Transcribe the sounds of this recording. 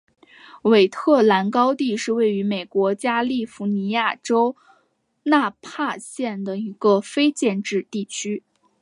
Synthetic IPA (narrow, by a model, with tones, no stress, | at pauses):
we˨˩ɪt̪ʰɤ˥˩la˧˥nkɑ˥ʊt̪i˥˧ʂɻ̩˥˧we˥˩ɪy˧˥me˨˩ɪkwɔ˧˥t͡ɕja˥li˥˩fu˧˥ni˧˥ja˥˩ʈ͡ʂo˥ʊ | na˥˧pʰa˥˧ɕjɛ˥˩nd̪ə˩i˧˥ɡ̥ə˧fe˥ɪt͡ɕjɛ˥˧nʈ͡ʂɻ̩˥˧t̪i˥˩t͡ɕʰy˥